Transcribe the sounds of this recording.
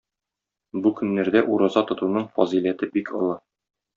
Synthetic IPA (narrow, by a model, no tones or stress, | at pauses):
bukɵ̆nːæɾd̪æʔuɾɑzɑt̪ŏt̪unɤɴfɒ̰zilæt̪ɘbikʰɤ̰̆lˠɤ